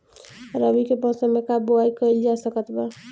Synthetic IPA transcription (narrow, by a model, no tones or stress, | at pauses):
ɾəbikepə̃semekaboaikəɪld͡ʒasəkət̪ba